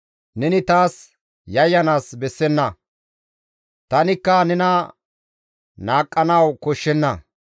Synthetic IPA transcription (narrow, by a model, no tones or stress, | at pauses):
nɛnɪt̪aːs | jɐjːɐnaːsbɛsːɛnːɐ | t̪ɐnɪkːɐnɛnɐ | naːkʼːɐnɐwkɔʃːɛnːɐ̰